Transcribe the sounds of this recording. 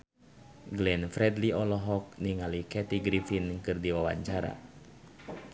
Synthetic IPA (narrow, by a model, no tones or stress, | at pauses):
ɡlɛnfɾɛdliɔlɔɦɔk̚niŋalikɛt̪iɡɾifinkɨrdiwawa̰ɲt͡ʃaɾa̰